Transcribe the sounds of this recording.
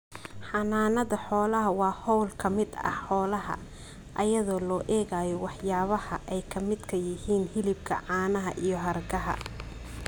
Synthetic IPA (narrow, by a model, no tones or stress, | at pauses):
ħɑnaːnɐðɐħɔːlɐɦɐwɑːhɔwlkʰɐmɪd̪ɐ̰hħɔːlɐɦɐ̰ | ʔɐjɐðɔːlɔːʔɛːɣaːjɔwɑħjaːβɐhɐʔɛjkʰɐmɪd̪kʰɐjɪhiːnhɪlɪb̚kʰɐ̰ʕɑːnɐɦɐ̰ʔijɞɦɐrɡɐɦɐ̰